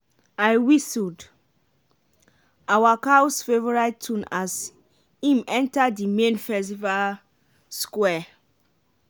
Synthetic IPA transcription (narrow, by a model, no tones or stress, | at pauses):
aɪwisud | awakaʊsfevɔɹaɪtʰũnas | ĩmɛ̃ntadimẽnfɛsival | skwɛ